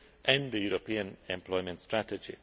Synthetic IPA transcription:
ʔɛ̃nd̪əjuːɾopiə̃nɛ̃mpʰlɔɪmə̃ntstɹætəd͡ʒḭ

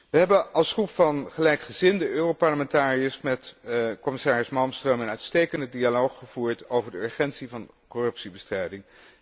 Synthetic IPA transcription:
ʋəɦɛbəɑlˠsχrupfɑnχəlɛjkχəzɪndəʔøːrowpɑɹləmɛntaːriəsmɛtkɔmɪsaːɹəsmɑlˠmstrəmənœɥtstejkəndədialowχχəv̥uːɹtowvəɹdəøːɹχɛntsivɑn | korɵpsibəstrɛjdɪŋ

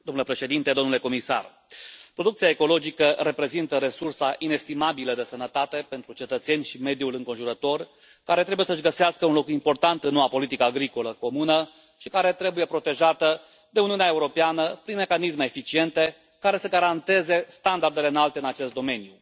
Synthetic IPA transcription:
d̪omnulepɾe̞ʃe̞d̪int̪e̞d̪onule̞ko̞misa̰r | pɾo̞d̪ukt̪sijaeko̞lo̞d͡ʒikəɾe̞pɾe̞zint̪əɾe̞sursaʔine̞st̪imabiləd̪e̞sənət̪at̪e̞pe̞nt̪ɾut͡ʃe̞t̪ət̪se̞nʲʃime̞d̪ijulɨŋko̞nʒuɾət̪o̞r | kaɾe̞t̪ɾe̞buje̞səɨʒɡəseaskəunlo̞kimpo̞rt̪ant̪ɨnːoapo̞lit̪ikəːɡɾikoləko̞munə | ʃikaɾe̞t̪ɾe̞buje̞pɾo̞t̪e̞ʒat̪ə | d̪e̞uniuneaeuɾo̞peanəpɾinmekanizme̞ːfit͡ʃie̞nt̪e̞ | kaɾe̞səɡaɾant̪e̞ze̞st̪and̪ard̪e̞le̞ɨnalt̪eɨnat͡ʃe̞st̪d̪o̞me̞nju

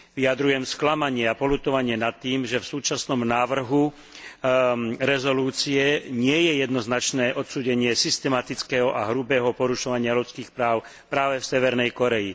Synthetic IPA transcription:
ʋiad̪ɾujɛmsklamaɲɪɛapɔlut̪ɔʋaɲɪɛnat̪ːiːmʒɛfsuːt͡ʃasnɔmnaːʋr̩ɦu | ɾɛzɔluːt͡siɛɲɪɛjɛjɛd̪nɔznat͡ʃnɛːʔɔt̪suːɟɛɲɪɛsist̪ɛmat̪it͡skɛɦɔʔaɦɾubɛːɦɔpɔɾuʃɔʋaɲɪalutt͡skiːxpɾaːʊ | pɾaːʋɛfsɛʋɛɾnɛjkɔɾɛji

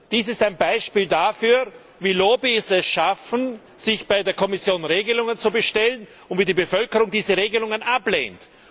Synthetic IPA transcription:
d̥iːsɪstaɪnbaɪʃpiːldafyːɐ | viːloːbisɛsʃafn̩ | z̥ɪçb̥aɪdeːɐkʰɔmɪsjoːnʁeːɡəlʊŋənt͡subəʃtɛlən | ʊntviːdiːbəfœlkəʁʊŋdiːzəʁeːɡəlʊŋənʔaplḛːnt

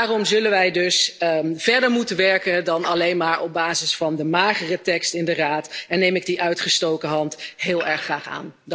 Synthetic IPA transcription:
aːrɔmzɵlənʋɛjdɵsv̥ɛɹdəɹmutənʋɛɹkəndɑnɑlejnmaːɹɔb̚baːzɪsfɑndəmaːχərətɛkstɪndəraːtɛnːejmɪɡ̚diʔœɥtχəstowkəɦɑntɦɪːlˠɛɹχraːχa̰ːn

